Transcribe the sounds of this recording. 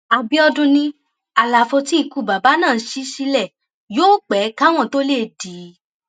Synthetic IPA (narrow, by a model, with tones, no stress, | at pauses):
a˨bi˨˦ɔ˧dũ˧nĩ˧ | a˨la˨fo˧ti˦i˦˧˨ku˨ba˨ba˨˦nãː˦˨˦ʃi˧˦ʃi˧lɛ˦˨ | joː˦k͡pɛ˨˦ka˦w̃ɔ̃˦˨to˦le˦˨di˨˦